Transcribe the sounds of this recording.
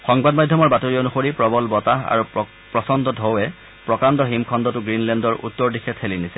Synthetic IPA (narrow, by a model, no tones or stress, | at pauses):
xɔŋbadmadʱjɔmɔɹbatoɹijɔnuxoɹipɹɔbɔlbɔtaɦa̰ɹu | pɹɔsɔndɔdʱɔwɛ | pɹɔkandɔɦimkʰɔndɔtʊɡɹinlɛndɔɹʔṵtːɔɹdikʰɛtʰxelinisɛ